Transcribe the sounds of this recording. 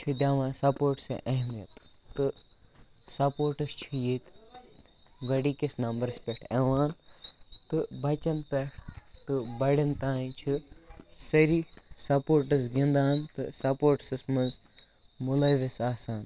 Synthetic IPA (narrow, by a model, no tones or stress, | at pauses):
t͡ʃʰud̪ʲaːʋãːsɐpoːɾʈsḛʔɐɦmijɐt̪ːɨ | sɐpoːɾʈɨst͡ʃʰijet̪ | ɡɐɽiːkisnɐmbɐɾɐspʲɛʈʰeʋaːnt̪ɨbɐt͡ʃɐnpʲeʈʰt̪ɨbɐɽint̪aːĩt͡ʃʰɨsɐɾiːsɐpoːɾʈɐsɡĩnd̪aːnt̪ɨsɐpoːɾʈsɐsmɐnz | mulɐʋisaːsaːn